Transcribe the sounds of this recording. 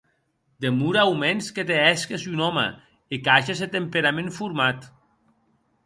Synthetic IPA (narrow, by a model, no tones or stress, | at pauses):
d̪emuɾawmensket̪eɛskesynɔma̰ | ekaʒeset̪empeɾamẽɱfuɾmat̪